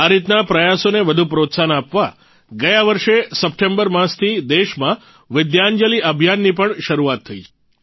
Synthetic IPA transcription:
aɾit̪napɾəjasoneʋəd̪ʱupɾot̪sanapʋa | ɡəjaʋəɾʃesəp̚ʈembəɾmãst̪ʰid̪eʃmã | ʋɪd̪jaɲd͡ʒəliʔəbʱjanːipəɳʃəɾuat̪ʰːəit͡ʃʰe̥

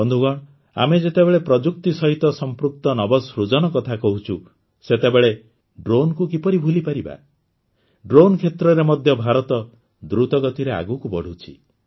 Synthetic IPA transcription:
ɔnd̪ʱuɡɔɽ̃ | a̰med͡ʒet̪ebeɭepɾɔd͡ʒuk̚t̪isɔɦit̪ɔsɔmpɾuk̚t̪ɔnɔbɔsɾud͡ʒɔnɔkɔt̪ʰakɔɦut͡ʃʰu | set̪ebeɭe | ɖɾonkukipɔɾibʱulipaɾiba̰ | ɖɾonkʰet̪ɾɔɾemɔd̪ʱjɔbʱaɾɔt̪ɔ | d̪ɾut̪ɔɡɔt̪iɾea̰ɡukubɔɽ̤ʱut͡ʃʰi

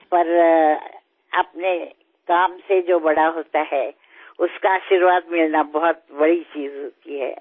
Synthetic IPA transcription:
pɐɾ | ɐ̰pne | kaːmsed͡ʒoːbɐɽaɦoːt̪aɦɛ | ʊskaaːʃiɾʋaːd̪mɪlnabɔɦʊt̪bɐɽit͡ʃiːzɦoːt̪iɦɛ̰ː

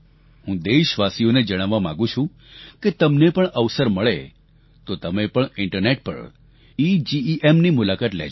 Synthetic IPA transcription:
hũd̪eʃʋasijoned͡ʒəɽ̃aʋːamã̰ɡũt͡ʃʰũ | ket̪əmnepəɳəʋsəɾməɭe | t̪ot̪əmepəɳɪɳʈəɾneʈ̚pə̰ɽ | id͡ʒiiʔemnimʊlakat̪lɛ̰

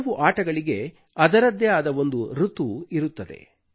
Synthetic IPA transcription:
ʋuʔaːʈɐɡɐɭiɡe̞ | ɐd̪ɐɾɐd̪ːjɐjaːd̪ɐʋo̞nd̪uɾut̪uiɾut̪ːɐd̪e̞̰

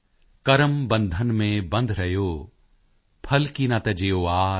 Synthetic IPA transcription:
kɐɾəmbɐ̃nd̪ʱənmẽbɐ̃nd̪ʱɾɐɦjoː | pʰɐlkinɐt̪ɐd͡ʒeːoaː

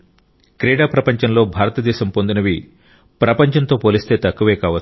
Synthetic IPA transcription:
kɾɛːɽaːpɾɐpɐɲt͡ʃɐnlo̞ːbʱaːɾɐt̪ɐd̪ɛːʃɐmpond̪unɐʋi | pɾɐpɐɲt͡ʃɐnt̪o̞ːpo̞ːlist̪e̞ːt̪ɐkːuʋɛːkaːʋɐ

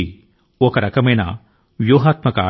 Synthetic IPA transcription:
i | ɔkɐɾɐkɐmɐjnɐ̰ | ʋjuːɦaːt̪mɐkaː

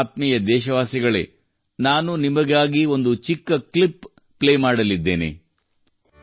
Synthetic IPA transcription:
t̪mijɐd̪ɛːʃɐʋaːsiɡɐɭe̞̰ | naːnunimɐɡaːɡio̞nd̪ut͡ʃikːɐklipː | leːmaːɽɐlid̪ːe̞ːnḛ

